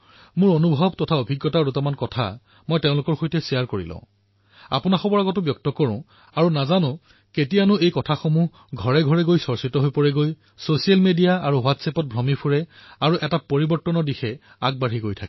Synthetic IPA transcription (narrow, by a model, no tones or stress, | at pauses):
mʊɹonubʱɔbtɔtʰaobʱiɡːɔtaɹutɔmankɔtʰa̰ | mɔjtẽʊ̃lʊkɔɹxojtɛsijaɹkoɹḭlɔ̰̃ʊ̃ | a̰pʊnaxɔbɔɹaɡɔt̬ʊbjɔk̚tɔkɔɹʊ̃ | aɹunazanʊ̃ | ketijanʊejkɔtʰaxomuɦ | ɡʱɔɹɛɡʱɔɹɛɡojsɔɹsitɔɦojpɔɹɛɡoj | sosijalmedijaaɹuwatsɛpɔt̚bʱɹɔmipʰuɹɛaɹuʔɛtapoɹibɔɹtːɔnɔdixɛ | a̰k̚baɹɦiɡojtʰak